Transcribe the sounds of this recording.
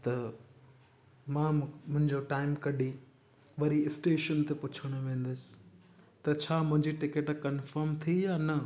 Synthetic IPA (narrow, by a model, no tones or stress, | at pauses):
t̪ɐ | mãːmʊ̃ɦɪ̃ɲd͡ʑoʈaːɪmkɐɗi | ʋɐɾiɪsʈeːʃənt̪epʊt͡ɕʰəɽ̃ʊʋẽːn̆d̪ʊsɪ̥ | t̪ɐt͡ɕʰaːmʊ̃ɦɪ̃ɲd͡ʑiʈɪkeʈkɐnfəɾmt̪ʰijaːnɐ